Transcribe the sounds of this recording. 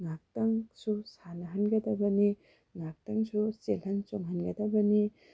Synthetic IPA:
ŋak̚tɐŋsusanɐɦɐnɡɐdɐbɐni | ŋak̚tɐŋsuselhɐnt͡ʃoŋɦɐnɡɐdɐbɐni

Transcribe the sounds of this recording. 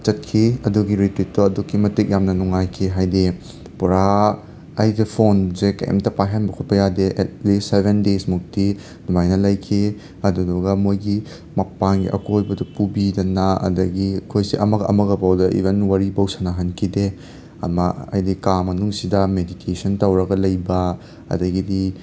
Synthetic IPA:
t͡ʃɐt̚kʰiɐduɡiɾitwit̚toɐdukːimɐtik̚jamnɐnuŋajkʰiɦajdi | puɾa | ɐjdɐpʰonzekɐ̰jɐ̰mtɐpaɦanbɐkʰut̚pɐjadeʔetlistsebʱendesmuk̚ti | numajnɐlɐjkʰe | ɐduduɡɐmojɡi | mɐk̚paŋɡiʔɐ̰kotbɐdupubidɐnaɐ̰dɐɡiɐkʰojsiʔɐmɐɡɐʔɐmɐɡɐbawdɐʔḭbʱenwɐɾibɐwsɐnaɦɐnkʰide | ɐ̰mɐ̰ɐ̰jdikamɐnuŋsidɐmeditʰesɐntɐwɾɐɡɐlɐjbɐ | ɐ̰dɐɡidi

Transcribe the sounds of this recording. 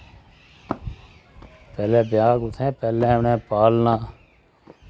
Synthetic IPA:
pɛːlẽːbjaːɡʊt̪ʰɛ̃ːpɛːlɛ̃ːʊnɛ̃ːpaːlnãː

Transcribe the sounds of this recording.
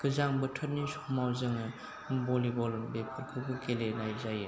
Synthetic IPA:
ɡɯzaŋbɯtʰɔt̚nisɔ̥k̚mawzɯŋɯ | bɔlibɔlbepʰɔɾkʰɯbɯkelenajzajɯ

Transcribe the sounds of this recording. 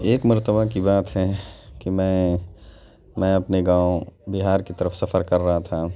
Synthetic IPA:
eːkməɾt̪əbakibaːt̪ɦɛkimɛ̃ː | mɛ̃ɐpneɡãːobɪɦaːɾkit̪ɐɾəfsɐfʰəɾkɐɾːɐɦat̪ʰaː

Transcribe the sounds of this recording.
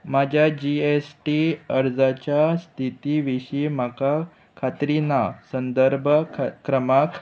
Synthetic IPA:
mad͡ʑʱjad͡ʑiesʈiəɾd͡zat͡ɕjast̪ʰit̪iʋiɕimaka | kʰat̪ɾinasənd̪əɾbʱəkɾəmak

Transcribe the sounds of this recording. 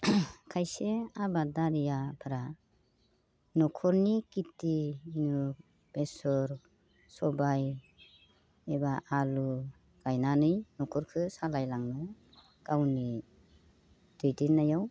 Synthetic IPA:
kʰajseabadaɾijapʰaɾa | nɔkʰɔɾnikitːiːnu | b̥esɔɾ | sɔbaj | ebaʔalu | ɡ̥ajnanɯjnɔkʰɔɾkʰɯsalajlaŋnɯ | kawni | d̥ɯjdinːajaw

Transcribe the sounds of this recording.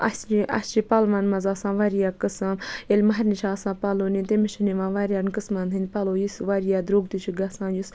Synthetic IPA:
ɐ̰st͡ʃiʔɐ̰st͡ʃipɐlmɐnmɐzaːsãːʋaɾijaːkɨsɐmelʲmɐɦɐɾniʃaːsãːpɐloːnit̪emiʃɐniʋãːʋaɾʲjaːnkɨsmant̪ʰɨnd̪ʲpɐloːjisʋaɾijaːd̪ɾoːɡt̪ut͡ʃʰiɡɐsãːjus

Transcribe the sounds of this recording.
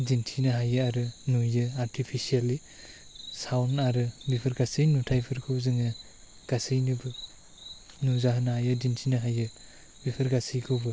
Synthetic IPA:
dintʰinɐɦajɯaɾɯnujɯaɾtʰipʰisiali | sawnaɾɯbipʰɯɾɡasɯjnutʰajpʰɯɾkʰɯwzɯŋɯ | ɡ̥asɯjnɯbɯ | nuzaɦɯnahajɯdintʰinɯɦajɯ | bipʰɯɾɡasɯjkʰɯwbɯ

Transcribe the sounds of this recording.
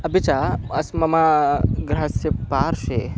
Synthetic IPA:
ɐbit͡ʃaɐsmɐmaɡɾasepaːɾʃe

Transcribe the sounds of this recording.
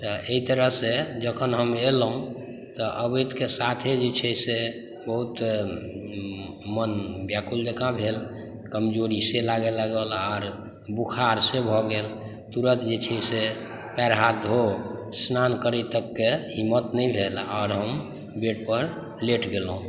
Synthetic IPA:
t̪ɔeit̪əɾəɦsed͡ʒəkʰənɦəmelɦũ | t̪ɔʔəbet̪kesat̪ʰed͡ʒet͡ʃʰɛse | bəɦut̪ | mənbjakuld͡ʒəkãbʱel | kəmd͡ʒoɾiselaɡeləɡəlɔːɾ | bukʰaɾsebʱɔɡel | t̪uɾət̪d͡ʒet͡ʃʰɛse | pɛɾɦad̪ʱɦosnankəɾət̪əkːeɦimːət̪nəibʱelɔːɾɦəm | beʈpəɾ | leʈɡelɦũ

